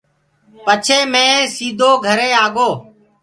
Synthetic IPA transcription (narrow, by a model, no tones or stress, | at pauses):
pət͡ʃʰeːmẽːsiːd̪ʱoːɡʱəɾeːaːɡoː